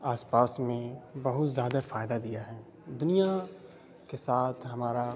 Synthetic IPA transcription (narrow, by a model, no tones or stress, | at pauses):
aːspaːsmẽbɐɦʊt̪zjaːd̪afaːjd̪ad̪ijaɦɛː | d̪ʊnija | kesaːt̪ʰɦɐmaːɾa